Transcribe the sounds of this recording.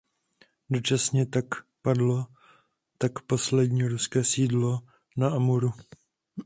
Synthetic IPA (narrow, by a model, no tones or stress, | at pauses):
dot͡ʃasɲɛt̪akpadlo̞ | t̪akpo̞slɛdɲiːɾuskɛːsiːdlo̞ | naʔamuɾu